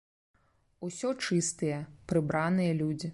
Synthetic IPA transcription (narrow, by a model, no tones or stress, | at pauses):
usʲɔt͡ʂɨst̪ɨjɐpɾɨbɾanɨjɐlʲud͡zʲi